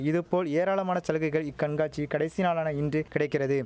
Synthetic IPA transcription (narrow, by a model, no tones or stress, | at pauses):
ɪðɯpoːleːɾaːɭɐmaːnɐt͡ʃɐlɯɣɐɪɣɐɭɪkːɐɳɡaːt͡ʃːikɐɽɐɪsinaːɭaːnɐɪndrɯkɪɽɐɪkːɪrɐðɯ